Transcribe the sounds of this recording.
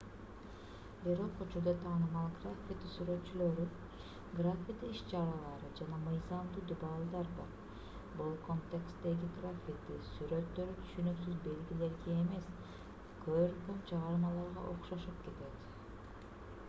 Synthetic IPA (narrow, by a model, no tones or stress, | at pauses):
biɾo̞qut͡ʃuɾd̪ɑt̪ʰɑːnɯmɑlˠɡrafʲit̪syɾø̞t̪t͡ʃylø̞ɾy | ɡrafʲit̪iʃt͡ʃɑɾɑlˠɑɾɯd͡ʒɑnɑmɯjzɑmd̪uːd̪ubɑlˠd̪ɑɾd̪ɑ | bolˠkont̪ʲekst̪e̞ɡiɡrafʲit̪isyɾø̞t̪ːø̞ɾyt̪ʰy̥ʃynyksyzbe̞lɡʲile̞ɾɡeːme̞s | køβøɾkømt͡ʃʰɑʁɑɾmɑlˠɑɾʁɑ̰ʔo̞qʃoʃupke̞t̪e̞t̪